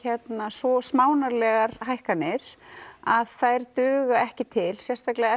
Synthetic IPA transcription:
ɛt̪nasvɔsmaːwnaɾlɛɣaɾɦajhkanɪɾ̥aðθajɾt̪ʏːɣaɛhcɪt̪ʰɪlsjɛst̪aklɪɛ

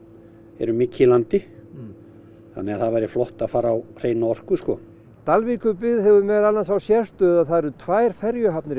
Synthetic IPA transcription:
ɛ̰ɾʏmiːcːɪlant̪ɪ | θa̰nːɛɣaðθaðvajɾɪflɔht̪aðfaːɾaːwr̥ejnaɔr̥kʏskɔ | t̪alvikʏpɪðhɛvʏmɛðalnansawsjɛst̪ʏðaðθaðɛɾʏt̪ʰvaːjɾ̥fɛɾjʏɦapnɪɾ

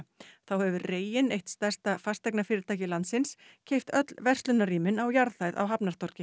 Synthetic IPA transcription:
θawhɛvʏreːjɪnejht̪st̪ɛr̥st̪afast̪ɛjknafɪːɾɪɾt̪ʰaːjcɪlant̪sɪns | cʰejft̪œt̪lvɛr̥t̪lʏnaɾiːmɪnawjaɾðθajða̰wɦapnaɾ̥t̪ɔɾ̥cɪ

